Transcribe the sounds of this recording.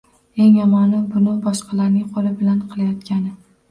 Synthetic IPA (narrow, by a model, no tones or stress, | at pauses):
e̞ŋjɒmɒnɪbʊnɪbɒʃqʰɑlaɾnɪŋqʰɒlˠɪbɪlanqʰɨlˠajɒt̪kʲʰanɪ